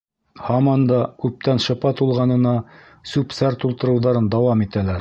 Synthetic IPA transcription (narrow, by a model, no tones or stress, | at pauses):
hɑmɑnd̪ɑkʉp̚t̪ænʃɤ̆pɑt̪ulˠʁɑnɤ̆nɑ | sʉpsæɾt̪ulˠt̪ɤ̆ɾɤ̆wðɑɾɤnd̪ɑwɑmit̪ælæɾ